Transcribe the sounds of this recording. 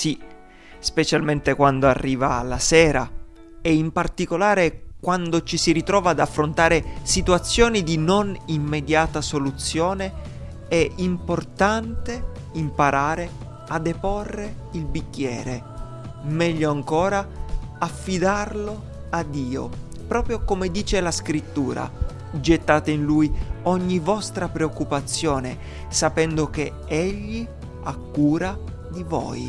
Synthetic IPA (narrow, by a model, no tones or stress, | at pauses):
si | spet͡ʃalment̪ekwand̪oa̰rːiːva̰ːlasɛːɾa̰ | ɛimpart̪ikolaːɾekwand̪ot͡ʃisiɾit̪ɾɔːvaːd̪afːɾont̪aːɾesit̪wat̪sːjɔːnid̪inonimːed̪jaːt̪asolut̪sːjɔːne | ɛimport̪ant̪e | impaɾʔaːɾe | ad̪eporːeilbikːjɛ̰ːɾe | mɛʎːoaŋkɔːɾaafːid̪arlo | ad̪ːiːo̰ | pɾɔːpɾjokomed̪iːt͡ʃelaskɾit̪ːuːɾa̰ | d͡ʒet̪ːaːt̪einlujɔɲːivɔst̪ɾapɾeokːupat̪sːjɔːne | sapɛnd̪ok̟e | ɛʎːi | akːuːɾa | d̪ivɔ̰ːj